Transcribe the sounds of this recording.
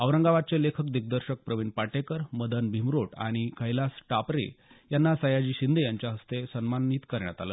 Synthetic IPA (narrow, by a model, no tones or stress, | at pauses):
əʋɾəŋɡaʋat̪̚t͡selekʰəkd̪ik̚d̪əɾɕək̚pɾəʋinpaʈekəɾməd̪ənbʱimɾoʈa̰ɽ̃ikʰəjlasʈapɾḛjanːasəjad͡ʑiːɕind̪ʱejaɲt͡ɕjaɦəst̪esənmaniːt̪kəɾɳja̰t̪a̰lə̰ː